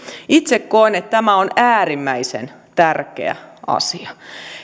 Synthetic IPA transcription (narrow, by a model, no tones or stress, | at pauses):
it̪sekkoenet̪t̪æmæonæːrimːæisḛn | t̪ærkḛæ̰ʔɑ̰siɑ